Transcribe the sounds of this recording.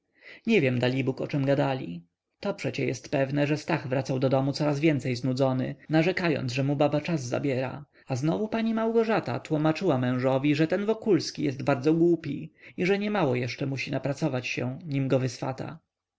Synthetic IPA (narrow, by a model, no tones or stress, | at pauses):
ɲɛvʲjɛmd̪alʲibukɔ̰t͡ʂɛmɡad̪alʲḭ | t̪ɔpʂɛt͡ɕɛjɛst̪pɛvnɛʐɛst̪aɣvɾat̪sawd̪ɔd̪ɔmut̪sɔɾazvʲjɛnt̪sɛjznud̪zɔnɘ̰naʐɛkajɔ̰nzʐɛmubabat͡ʂazːa̰bʲjɛɾa̰ | aznɔvupaɲimawɡɔʐat̪a̰t̪wumat͡ʂɘwamɛ̃w̃ʐɔvʲiʐɛt̪ɛnvɔkulskʲijɛst̪baɾd̪zɔɡwupʲiiʐɛɲɛmawɔjɛʂt͡ʂɛmuɕinapɾat̪sɔvat͡ɕɕɛ̰ɲimɡɔvɘsfa̰t̪a̰